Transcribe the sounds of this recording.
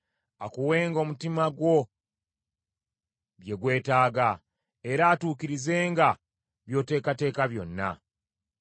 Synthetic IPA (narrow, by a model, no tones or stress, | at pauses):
akuwe̞ːŋɡo̞mutimaɡwo̞ | βje̞ɡwe̞ːtaːɡa | e̞ɾaːtuːkiɾize̞ːŋɡa | βjo̞ːte̞ːkate̞ːkaβjo̞̰nːa̰